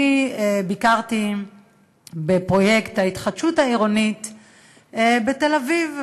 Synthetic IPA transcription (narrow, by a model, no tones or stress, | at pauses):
ibikaʁt̪i | bepʁo̞jekt̪haitχadʃuthaiʁonit | bete̞laviv